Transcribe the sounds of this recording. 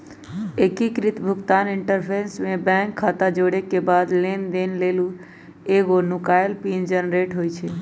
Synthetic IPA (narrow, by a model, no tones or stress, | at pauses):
ekikɾɪt̪bʱʊkt̪aːnɪɳʈəɾpʰeɾnsmẽbɛ̃ŋkʰːat̪ad͡ʒoɽekebad̪lend̪enlelu | eɡonʊkaelpind͡ʒənɾeʈɦojt͡ʃʰe